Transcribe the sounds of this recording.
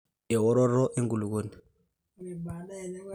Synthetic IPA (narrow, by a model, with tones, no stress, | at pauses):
ɛ˨wɔ˦ɾɔ˦ɾɔ˦ʔe˦ŋɡu˨lu˨k̬oː˦˨ni˨